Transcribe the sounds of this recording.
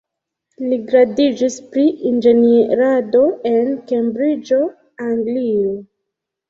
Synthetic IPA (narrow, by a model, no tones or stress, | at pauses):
liɡɾadid͡ʒispɾiind͡ʒe̞niɾado̞e̞nke̞mbɾid͡ʒo̞ | aŋɡlio